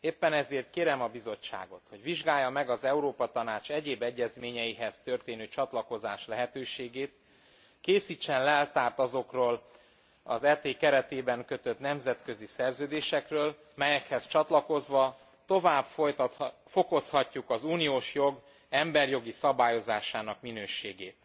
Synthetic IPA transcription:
eːpːɛnɛzeːrt̪̚keːɾɛmɒbizo̞t͡ʃːa̰ːɡo̞̰t̪ho̞ɟviʒɡaːjːɒmɛɡɒzɛuɾoːpɒt̪ɒnaːt͡ʃɛɟeːbɛɟːɛzmeːɲɛjiɦɛz̥t̪ø̞rt̪eːnøːt͡ʃɒt̪lɒko̞za̰ːʃlɛɦɛt̪øːʃeːɡeːt̪ | keːsit͡ʃːɛnlɛlt̪aːrt̪ɒzo̞kroːl | ɒ̰zɛːt̪eːkɛɾɛt̪eːbɛŋkø̞t̪ø̞t̪nɛmzɛt̪kø̞zisɛrzøːd̪eːʃɛkrøːl | mɛjɛkhɛst͡ʃɒt̪lɒko̞zʋɒ | t̪o̞vaːbfoj̪fo̞ko̞shɒcːukɒzuːnijoːʃjo̞ɡ | ɛmbɛrjo̞ɡisɒbaːjo̞zaːʃaːnɒkminøːʃeːɡeːt̪

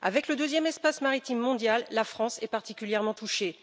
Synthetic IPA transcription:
a̰vɛkləd̪øzjɛmɛspasmaʁit̪imːɔ̃d̪jalːafχɑ̃sɛpaʁt̪ikʲyljɛʁmɑ̃t̪uʃe

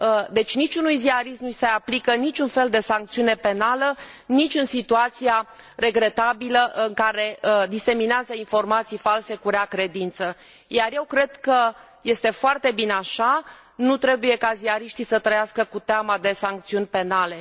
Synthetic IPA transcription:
d̪e̞t͡ʃʲnit͡ʃunujziaɾist̪nuiseaplikənit͡ʃunfe̞ld̪e̞saŋk̚t̪siune̞pe̞nalə | nit͡ʃʲɨnsit̪uat̪sija | re̞ɡɾe̞t̪abiləʔɨŋkaɾe̞d̪isemineazəinfo̞rmat̪sijfalse̞kuɾeakɾe̞d̪int̪sə | jarje̞wkɾe̞d̪kə | je̞st̪e̞foart̪e̞bineaʃa | nut̪ɾe̞buje̞kaziaɾiʃt̪isət̪ɾəjaskəkut̪eamad̪e̞saŋk̚t̪siunʲpe̞nale̞

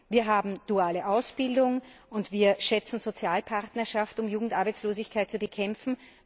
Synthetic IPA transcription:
viːɐɦaːbm̩d̥uaːləʔaʊsb̥ɪldʊŋʔʊntv̥iːɐʃɛt͡sn̩zot͡sjaːlpʰaʁtnɐʃaftʊmjuːɡŋ̩tʔaɐbæɪt͡sloːzɪçkʰaɪt̚t͡subəkʰɛmfn̩

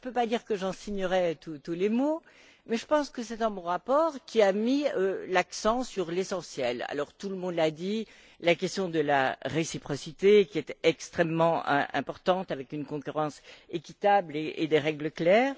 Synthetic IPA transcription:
əpøpad̪iʁkəʒɑ̃siɲəʁɛt̪ut̪ulemo | mɛʒəpɑ̃skəsɛd̪ɑ̃mɔ̃ʁapɔːʁkʲiamiølaksɑ̃syʁlesɑ̃sjɛla̰lɔʁt̪uləmɔ̃d̪lad̪i | lakɛst̪jɔ̃d̪əla̰ʁesipχɔsit̪ekʲiɛt̪ɛkst̪χɛmːɑ̰̃ʔɛ̰̃pɔʁt̪ɑ̃t̪avɛkynkɔ̃kyʁɑ̃sekʲit̪ableʔed̪eʁɛɡləklɛːʁ

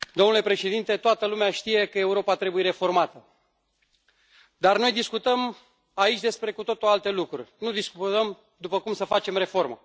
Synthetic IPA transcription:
d̪omnule̞pɾe̞ʃe̞d̪int̪e̞t̪oat̪əlumeaʃt̪ije̞kəe̞uɾo̞pat̪ɾe̞bujeɾefo̞rmat̪ə | d̪arno̞jd̪iskut̪əm | ait͡ʃʲd̪e̞spɾe̞kut̪o̞t̪oalt̪e̞lukɾṵrʲnud̪iskut̪əm | d̪upəkumsəfat͡ʃe̞mre̞fo̞rmə

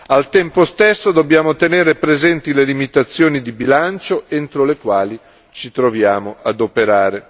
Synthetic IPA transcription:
alt̪ɛmpost̪esːod̪objaːmot̪eneːɾepɾezɛnt̪ilelimit̪at̪sːjoːnid̪ibilant͡ʃoent̪ɾolekwaːli | t͡ʃit̪ɾovjaːmoʔad̪opeɾaːɾe

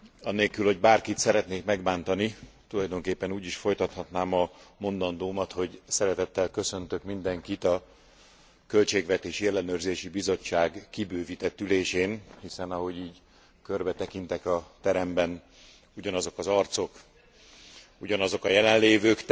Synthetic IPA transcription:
ɒnːeːlkylho̞ɟbaːrkit̪sɛɾɛt̪neːkmɛɡbaːnt̪ɒnit̪ulɒjd̪o̞ŋkeːpːɛnuːɟiʃfo̞jt̪ɒt̪hɒt̪naːmɒmo̞nd̪ɒnd̪oːmɒt̪ho̞ɟsɛɾɛt̪ɛt̪ːɛlkø̞sø̞nt̪økmind̪ɛŋkit̪ɒ | kø̞lt͡ʃeːɡvɛt̪eːʃiɛlːɛnøːrzeːʃibizo̞t͡ʃːaːɡkibøːvit̪ɛt̪ːyleːʃeːnhisɛnɒɦo̞ɟiːɟ | kørbɛt̪ɛkint̪ɛkɒt̪ɛɾɛmbɛn | uɟɒnɒzo̞kɒzɒrt̪so̞k | uɟɒnɒzo̞kɒjɛlɛnleːvøːkt̪

